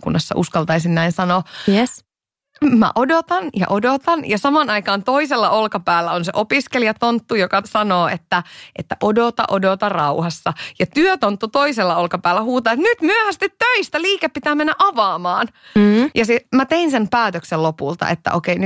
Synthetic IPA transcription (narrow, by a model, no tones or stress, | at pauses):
kṵnːɑsːɑ̰ʔuskɑlt̪ɑisinnæinsɑnoːjes | mæ̰ʔodot̪ɑnjɑ̰ʔodot̪ɑnjɑsɑmɑnɑikɑːnt̪oiselːɑolkɑpæːlːæonsḛʔopiskelijɑt̪ont̪ːujokɑsɑnoːet̪ːæʔet̪ːæʔodot̪ɑ̰ʔodot̪ɑrɑuhɑsːɑjɑt̪yøt̪ont̪ːut̪oiselːɑolkɑpæːlːæhuːt̪ɑːet̪nyt̪myøhæst̪it̪tøist̪æliːkeppit̪æːmenːæʔɑʋɑːmɑːnjɑsimæt̪einsempæːt̪økselopult̪ɑ̰ʔḛt̪ːæ̰ʔokeiny